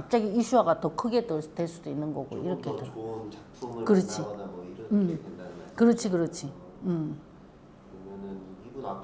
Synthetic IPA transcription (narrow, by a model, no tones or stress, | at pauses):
kap̚t͡ɕ͈aɡiiɕʰuɦaɡatʌkʰɯɡe̞dotweɭs͈udoinːɯnɡʌɡo̰ʔiɾʌkʰedo | kɯɾʌt͡ɕʰiɯmkɯɾʌt͡ɕʰikɯɾʌt͡ɕʰi | ɯm